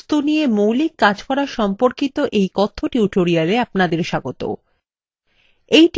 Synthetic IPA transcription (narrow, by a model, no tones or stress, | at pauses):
t̪unijemowlikːad͡ʑkɔɾaʃɔmpoɾkit̪oʔejkɔt̪ʰːoʈiuʈoɾialeapnad̪eɾʃaɡot̪o̰ | ejʈ